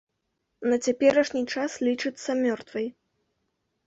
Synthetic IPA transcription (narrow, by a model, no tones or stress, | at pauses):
nɐt͡sʲapʲɛɾɐʂnʲit͡ʂaslʲit͡ʂɨt̪sːɐmʲɔrt̪vɐj